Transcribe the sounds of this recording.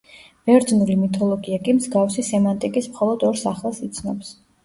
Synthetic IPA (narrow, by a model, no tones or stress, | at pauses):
vɛɾd̪znulimit̪ʼʰɔlˠɔɡiakʼimzɡafsisɛmant̪ʼikʼismχɔlˠɔd̪ɔɾsaχlˠasit̪sʰnɔps